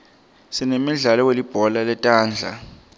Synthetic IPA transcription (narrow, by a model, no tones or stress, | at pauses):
sinemiɮalɔwelib̥ʱɔlalɛtʼaːnd͡ɮʱa̰